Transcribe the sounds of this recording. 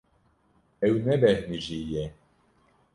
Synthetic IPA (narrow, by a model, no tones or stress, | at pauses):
ɛwnɛbɛhniʒijɛ